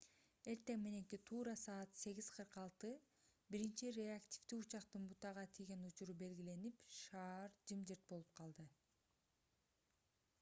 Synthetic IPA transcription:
e̞ɾt̪e̞ŋmene̞ŋkit̪ʰuːɾɑsɑːt̪se̞ɡʲiz̥qʰɯɾqɑlˠt̪ɯ | biɾint͡ʃiɾʲeaktʲi̥ft̪iut͡ʃɑqt̪ɯnbut̪ɑʁɑt̪ʰiɡʲe̞nut͡ʃuɾube̞lɡʲile̞nipʃɑːɾd͡ʒɯmd͡ʒɯɾt̪̚bo̞lˠup̚qʰɑlˠd̪ɯ

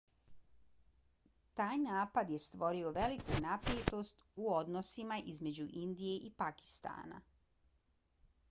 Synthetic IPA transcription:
t̪aːjnaːpad̪je̞st̪ʋo̞ɾio̞ʋe̞likunapɾjet̪o̞st̪uo̞d̪nosimaʔizme̞d͡ʑuʔind̪ije̞ʔipaki̥st̪a̰ːna̰

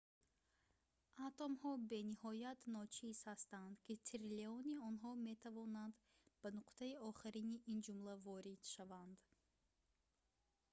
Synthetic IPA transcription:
at̪ɔmhɔbe̞nihɔjat̪nɔt͡ʃʰiz̥hast̪and̪kʰit̪ʰiɾleɔniɔnɦɔme̞t̪ʰavɔnand̪ | banuqt̪ʰaiɔχiɾiniʔind͡ʒumlavɔɾid̪̥ʃavand̪

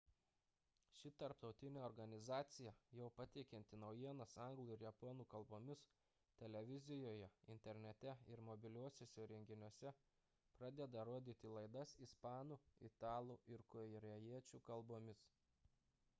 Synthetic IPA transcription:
ʃʲɪt̪ɐɾpt̪ɒʊt̪ʲɪnʲeːɔɾɡɐnʲɪzɑːt̪sʲɪjɛjɛʊpɐt̪ʲɛɪkʲɛnʲt̪ʲɪnɒʊjiɛnɐsɐŋɡlˠuːɪɾjɛponuːkɐlˠboːmʲɪs | t̪ʲɛlʲɛʋʲɪzʲɪjoːjɛɪ̰nʲt̪ʲɛɾʲnʲɛt̪ʲɛɪɾmɔbʲɪlʲuɔsʲoːsʲɛɾʲɛŋʲɡʲɪnʲuɔsʲɛ | pɾɑːd̪ʲɛd̪ɐɾoɔd̪ʲiːt̪ʲɪlˠɐɪd̪ɐsɪspɑːnuːɪ̰t̪ɑːlˠuːʔɪɾkoɪɾʲɛjiɛt͡ʃʲuːkɐlˠboːmʲɪs

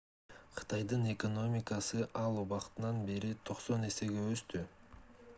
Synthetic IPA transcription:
qʰɯ̥t̪ɑjd̪ɯne̞ko̞no̞mʲɪkɑsɯʔɑlˠuβɑqt̪ɯnɑnbeɾit̪ʰo̞qso̞ne̞se̞ɡeøst̪y

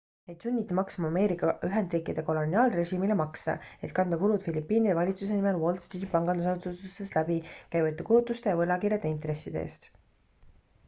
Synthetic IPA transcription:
et̪sunʲːit̪ːimɑksmɑɑme̞ːɾikːˑɑyɦe̞nd̪riːkːˑid̪̥e̞ko̞lo̞niɑːlre̞ʃiːmilemɑksɑ̰e̞t̪̚kɑnd̪̥ɑkuɾud̪̥filipːˑiːnid̪evɑlʲit̪sus̬e̞nime̞lwo̞ld̪̥st̪iːd̪ipɑŋɡ̥ɑnd̪usɑsut̪ust̪eslæbikæjvɑt̪ːˑekulut̪ːˑust̪e̞jɑvɤlɑkiɾjɑd̪̥eint̪ɾe̞sːid̪eḛːst̪

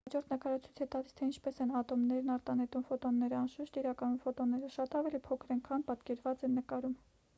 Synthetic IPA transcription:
hɑd͡ʒɔɾt̪ʰnəkɑɾɑt͡sʰit͡sʰɛt̪ɑlist̪ʰɛint͡ʃʰpɛsɛnɑt̪ɔmnɛɾnɑɾt̪ɑnɛt̪umfɔt̪ɔnːɛɾəɑnʃəʃt̪iɾɑkɑnumfɔt̪ɔnːɛɾəʃɑt̪ɑvɛlipʰɔkʰɾɛŋkʰɑnpɑt̪kɛɾvɑt͡sɛnːəkɑɾum

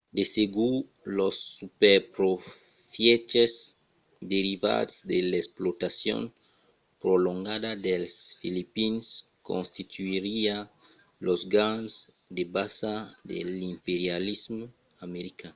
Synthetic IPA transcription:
d̪eseɡu | losːupeɾpɾo | fjet͡ʃez | d̪eɾiva̰dsd̪elesplot̪asjõ̰n | pɾolõŋɡad̪ad̪elsfilipins | kõ̰nst̪it̪uiɾia | lozɡansd̪ebasad̪ḛlĩmpeɾjalizmu | ameɾikanu

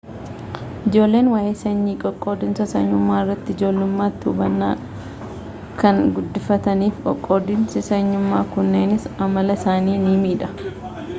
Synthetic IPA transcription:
ʔɪd͡ʒo̞ːlːe̞ːnwaːjeːsɐɲːiːkʼɔkʼːo̞ːd̪ɪnsɐsɐɲːʊmːaːɪrːɐt̪ːɪɪd͡ʒo̞ːlːʊmːaːt̪ːɪʊbɐnːaː | kɐŋɡʊd̪ːɪfɐt̪ɐniːfkʼɔ̰kʼːo̞ːd̪ɪnsɪsɐɲːʊmːaːkʊnːeːnɪsɐmɐlɐsaːniːniːmiːᶑɐ

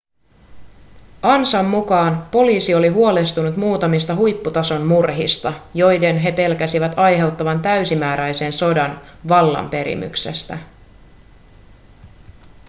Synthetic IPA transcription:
ʔɑnsɑmːukɑːnpo̞liːsio̞liɦuo̞le̞st̪unut̪muːt̪ɑmist̪ɑɦujpːut̪ɑso̞nːurɦist̪ɑjo̞jde̞nɦe̞pe̞lkæsiʋæt̪ɑjɦe̞wt̪ːɑʋɑnt̪æɥsimæːɾæjse̞nso̞dɑnʋɑlːɑ̰mpe̞ɾḭmy̰kse̞̰st̪æ̰

